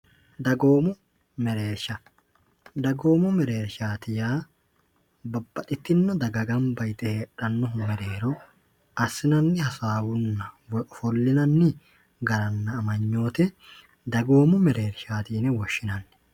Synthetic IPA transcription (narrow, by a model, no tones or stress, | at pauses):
d̪ɐɡo̞ːmʊ | mɛɾe̞ːɾʃɐ | d̪ɐɡo̞ːmʊmɛɾeːɾʃaːt̪ɪjaː | bɐbːɐt̪ʼɪt̪ːɪnːɔd̪ɐɡɐɡɐmbɐjt̪ɛheːᶑɐnːɔɦʊmɛɾe̞ːɾɔ | ɐsːɪnɐnːɪhɐsaːwʊnːɐfɔlːɪnɐnːɪ | ɡɐɾɐnːɐːmɐɲːo̞ːt̪ɛ | d̪ɐɡo̞ːmʊmɛɾe̞ːɾʃaːt̪iːnɛwɔʃːɪnɐnːɛ